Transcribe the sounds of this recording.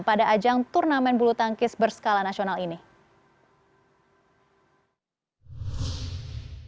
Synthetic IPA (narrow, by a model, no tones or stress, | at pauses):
padaʔːd͡ʒaŋt̪urnamɛnbulut̪aŋkɪsbərsə̥kalanasionalini